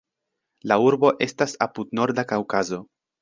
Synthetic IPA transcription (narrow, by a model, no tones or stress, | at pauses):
lauɾbo̞ʔe̞stasapudno̞ɾdakawkazo̞